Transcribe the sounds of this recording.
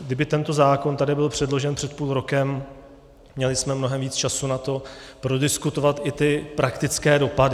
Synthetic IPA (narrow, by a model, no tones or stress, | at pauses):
ɡdɪbɪt̪ɛnt̪o̞zaːko̞nt̪adɪbɪlpr̝̥ɛdlo̞ʒɛnpr̥ɛt̪̚puːlɾo̞kɛmː | ɲɛlɪsmɛmno̞ɦɛmviːt͡st͡ʃasunat̪o̞pɾo̞dɪskut̪o̞vat̪ʔɪt̪ɪpɾʔakt̪ɪt͡skɛːdo̞padɪ